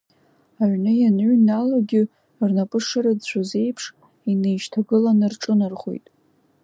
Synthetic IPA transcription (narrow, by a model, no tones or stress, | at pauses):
aʕnɨjanʕnaloɡʲɪ | rnapʼɨʂaɾadt͡ɕʷʰaze̞jpʰʂ | inejʃtʰaɡɨlanɨrʈ͡ʂʼɨnɨrχʷo̰jtʼ